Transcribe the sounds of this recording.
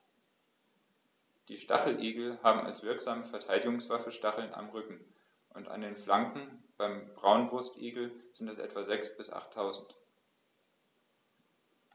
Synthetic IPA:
d̥iːʃta̰χl̩ʔeːɡl̩haːbm̩a̰lsv̥ɪɐkz̥aːməfɛɐtʰaɪdɪɡʊŋsv̥afəʃtaχl̩na̰mʁʏkŋ̩ | ʔʊnta̰ndeːnflaŋkŋ̩b̥aɪmbʁaʊnbʁʊstʔeːɡl̩z̥ɪntɛsʔɛ̰tv̥azɛksb̥ɪsʔa̰χtʰːaʊzn̩t

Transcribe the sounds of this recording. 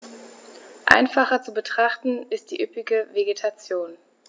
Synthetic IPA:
ʔa̰ɪnfaχɐt͡subətʁ̥aχtn̩ɪst̚d̥iːʔʏpɪɡəveɡetʰat͡sjoːn

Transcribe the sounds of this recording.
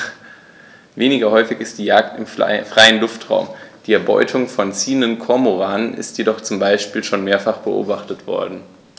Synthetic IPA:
veːnɪɡɐhɔʏfɪçɪst̚d̥iːjaːk̚tɪmfʁ̥aɪənlʊftʁ̥a̰ʊmd̥iːɛɐbɔ̰ʏtʰʊŋfɔnt͡siːəndənkʰɔɐmoʁaːnənʔɪ̰stjedɔχt͡sʊmbaɪʃpiːlʃoːnmeːɐfaχb̥əʔo̰ːbaχtətv̥ɔ̰ɐdn̩

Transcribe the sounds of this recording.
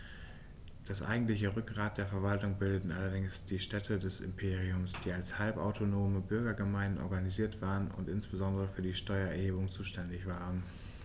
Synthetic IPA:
d̥asʔa̰ɪɡŋ̩tlɪçəʁʏk̚ɡʁaːt̚d̥eːɐfɛɐvaltʊŋbɪldətn̩ʔalɐdɪŋsd̥iːʃtɛtʰədɛsɪ̰mpʰeːʁiʊmsd̥iːalshalpʔa̰ʊtʰonoːməbʏɐɡɐɡəmaɪndn̩ʔɔ̰ɐɡaniziːɐtv̥aːʁənʊ̰ntʔɪnsb̥əzɔndəʁəfyːɐdiːʃtɔʏɐɛɐheːbʊŋt͡suːʃtɛndɪçv̥aːʁən

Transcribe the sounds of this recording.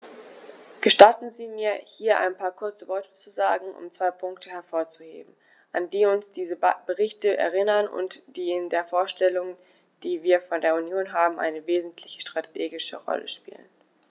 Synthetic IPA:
ɡ̥əʃtatn̩ziːmiːɐhiːɐʔa̰ɪnpʰaːɐkʰʊɐt͡səvɔɐtə̥t͡suzaːɡŋ̩ʔʊ̰mt͡sv̥aɪpʰʊŋktəhɛɐfoːɐt͡suhḛːbm̩ | ʔandiːʊnsd̥iːzəb̥əʁɪçtəʔɛ̰ɐʁ̞ɪnɐnʊ̰ntd̥iːɪndeːɐfoːɐʃtɛlʊŋ | d̥iːviːɐfɔndeːɐunjoːnɦaːbm̩ʔa̰ɪnəveːzn̩tʰlɪçə̥ʃtʁ̥ateːɡɪʃə̰ʁɔ̰lʔə̰ʃpḭːlə̰n

